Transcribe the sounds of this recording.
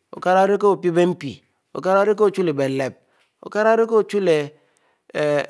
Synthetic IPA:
o̰˨ka˦ɾa˦o˦ɾi˦ko˦o˨pi˦be˦m̩˦pḭ˨ | o̰˨ka˦ɾa˦o˦ɾi˦k̬o˦o˨t͡ʃu˦le˨be˨˦le˨p̚ | o̰˨ka˦ɾa˦ɾi˦ko˦o˨t͡ʃu˦le˨

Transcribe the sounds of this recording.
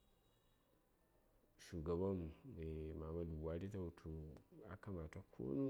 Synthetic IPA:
ʃu˨ɡa˨ba˦me˨ma˨ma˨lu˨wa˨˦ɾi˦ta˦˨tʰu˨a̰˨ka˦ma˨ta˦kʰo̰˦nu˦

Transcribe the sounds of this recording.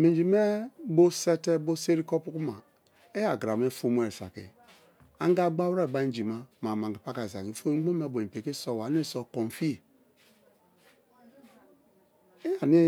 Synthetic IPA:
me˨nd͡ʒi˨me˦bo˦sɛ˦te˦bo˦se˦ɾi˦kɔ˦pu˦ku˦ma˨ | e˦ja˨ɡɾa˨me˦fo˦m˦e˨ɾsa̰˨kḭ˨ | a˦ŋ˦ɡa˦ɡ͡ba˦wɾe˦˨ɡ͡ba˦n˦d͡ʒi˨ma˦ma˨ma˨ŋ˨ɡi˨pa˦ka˨za˨ki˨fo˦ɡ͡bo˦me˦˨bo˨i˨pe˨ki˦sɔ˦wa˨˦n˦e˦˨sɔ˨kɔ̃˨n˨fi˦˨ | e˦ja˨ni˦

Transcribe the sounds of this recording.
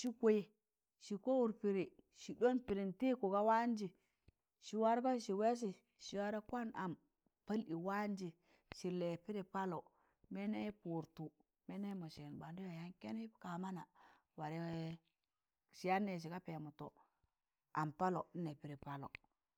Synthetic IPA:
ʃi˦kʷo˦je˨ | ʃi˨ko˦wu˨ɾpi˨ɾi˨ʃi˨do˦npi˨ɾi˨nti˦ku˨ka˦wa˦nd͡ʒi˨ | ʃi˨wa˦ɾko˦ʃi˨we˦s̬i˨ | ʃi˨wa˦ɾa˦kʷa˦na˨m | pa˦li˨wa˦nd͡ʒi˨ | ʃi˨le˨pi˦ɾi˨pa˦lo˨ | me˦ne˦pu˨ɾtu˨ | me˦ne˦mo˨ʃi˨nba˨ndi˦jo˨ja˦nke˦ni˦ka˨ma˦na˨ | wa˨ɾe˦ | ʃi˨ja˦nːe˨ʃ̬i˨ka˦pe˨mu˨to̰˨ | a˨mpa˦lo˨˦ne˨pi˨ɾi˨pa˨lo̰˨

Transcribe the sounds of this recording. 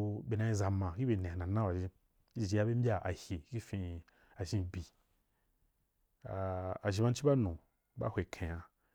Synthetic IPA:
be˨nã˧i˧za˨mã˨ki˦be˨nẽ˨a˨nã˨nã˦ba˨ʒi˧ | i˦˨d͡ʒi˧˦a˧be˦m̩˦bʲa˦ʔa̰˨hje˨˦ki˦fĩ˧ | a˨ʒĩ˧bi˨ | aː˨ʒi˧ba˧n̩˦t͡ʃi˦ba˦nũ˨ | ba̰˦hʷwe˨kʰẽ˨ja˨

